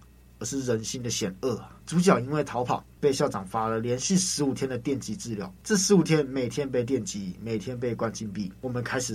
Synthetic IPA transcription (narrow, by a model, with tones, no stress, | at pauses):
ə˧˥ʂɻ̩˥˩ɻə˧˦nɕi˥nd̪ə˨ɕjɛ˨˩nə˥˩t͡su˧˥t͡ɕjɑ˨˩ʊi˥nwe˥˩ɪt̪ʰɑ˧˥ʊpʰɑ̰˨˩˦ŋpe˥˧ɪɕjɑ˥˩ʊʈ͡ʂɑ˨˩ŋfa˥lə˨ljɛ˧˥nɕi˥˩ʂɻ̩˧˥u˨˩t̪ʰjɛ˥nd̪ə˨t̪jɛ˥˩nt͡ɕi˧˥t͡sɹ̩˥˩ljɑ̰˧˥ʊʈ͡ʂ̩˥˩ʂɻ̩˧˥u˨˩t̪ʰjɛ˦˥nme˨˩ɪt̪ʰjɛ˦˥np̬e˥˧ɪt̪̬jɛ˥˩nt͡ɕi˧˥me˨˩ɪt̪ʰjɛ˥np̬e˥˧ɪkwa˥˧nt͡ɕi˥npi˥˩wɔ˨˩mə˨˦nkʰa˥ɪʂɻ̩˨˩